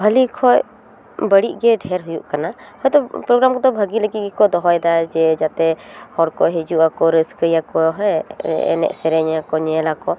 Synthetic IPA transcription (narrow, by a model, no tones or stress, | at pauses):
bʱəlikʰɔj | bəɽiʔɡɛɖʱɛɾɦujuʔkanahɔjd̪ɔpɾɔɡɾamkɔd̪ɔbʱəɡiləɡit̪̚ɡɛkɔd̪ɔɦɔjd̪ad͡ʒɛd͡ʒat̪ɛhɔɽkɔɦɛd͡ʒuʔakɔɾəskəjakɔɦɛ̃ɛ̰nɛ̰ʔsɛɾɛɲakɔɲɛɛlakɔ